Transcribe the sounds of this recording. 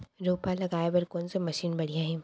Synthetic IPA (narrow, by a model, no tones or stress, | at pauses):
ɾoːpalɐɡaːebɐɾkoːnsemɐʃiːnbɐɽ̤ijãɦɛ̃ː